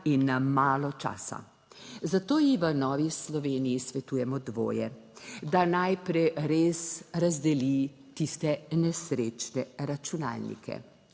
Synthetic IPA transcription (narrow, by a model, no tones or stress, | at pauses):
inːamaːlɔt͡ʃa̰ːsa̰ | zat̪oːjiʋənɔːʋislɔʋeːnijisʋɛt̪uːjɛmɔd̪ʋo̰ːjɛ | d̪anajpɾɛjɾeːsɾazd̪ɛli | t̪ist̪ɛnɛsɾeːt͡ʃnɛɾat͡ʃuna̰ːlnḭkʰɛ̰